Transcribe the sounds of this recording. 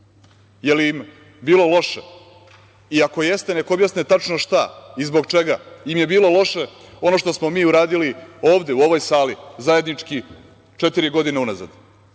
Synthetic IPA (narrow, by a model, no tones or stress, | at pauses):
jeliim | biːlo̞lo̞ʃḛ | iako̞je̞st̪ene̞koobjasnet̪at͡ʃnoʃt̪aizbo̞ɡt͡ʃe̞ɡaimje̞biːlo̞lo̞ʃe̞ | o̞no̞ʃt̪o̞smo̞miːuɾaːd̪ilio̞ːʋd̪e̞uo̞ʋo̞jsaːlizaje̞d̪nit͡ʂki | t͡ʃe̞t̪iɾiɡo̞d̪ineunaza̰d̪